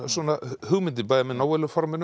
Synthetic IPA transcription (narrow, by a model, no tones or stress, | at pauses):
sɔnahʏɣmɪnt̪̬ɪpajðamɛnawɛlʏfɔɾmɛn